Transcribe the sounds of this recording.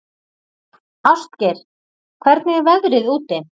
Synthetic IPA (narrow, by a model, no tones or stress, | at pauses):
ast̪cɛɾ̥ | kʰvɛɾt̪nɪɣvɛɣɾɪðuːt̪ɪ